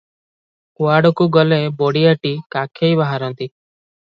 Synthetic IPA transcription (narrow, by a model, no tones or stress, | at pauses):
kʊaːɽokuɡɔlẽːboːɽiəʈiːkaːkʰeibaɦaɾɔ̃ːnt̪iː